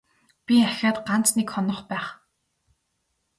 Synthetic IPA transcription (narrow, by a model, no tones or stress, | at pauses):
pʲiæxʲaːt̪ɢan̥t͡snekχɔnɞ̆χpæːχ